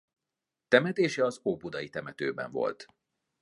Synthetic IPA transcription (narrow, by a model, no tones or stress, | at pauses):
t̪ɛmɛt̪eːʃɛɒzoːpud̪ɒjit̪ɛmɛt̪øːbɛ̰ɱvo̞̰lt̪